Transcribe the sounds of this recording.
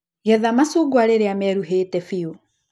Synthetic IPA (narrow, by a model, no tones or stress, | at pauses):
jɛðamasuɡwaɾeɾeamɛɾuɦeːtɛfio